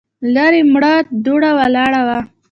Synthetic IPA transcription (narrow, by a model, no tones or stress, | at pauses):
laɾemɽɑt̪̚d̪oɽawalɑɽawa